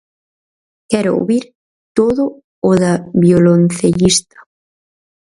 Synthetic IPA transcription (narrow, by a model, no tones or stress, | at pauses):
kɛɾʊo̰βiɾ | t̪oðʊ | oðaβjolonθeʎist̪ḁ